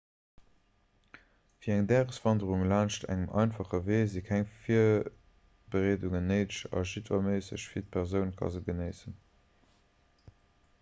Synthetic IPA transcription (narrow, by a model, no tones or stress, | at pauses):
fiːɐæŋdæːʁəsv̥ɑndəʁuŋlaːnʃtʰæ̰ŋəmʔɑ̰ɪnfɑχəveːzikʰæŋfiːɐ | b̥əʁeːduŋənəɪʃɑ̰ʒitvɑmeːsə̰ɕfiɐt̚pʰɛʁzəʊnkʰɑ̰zəɡənəɪsən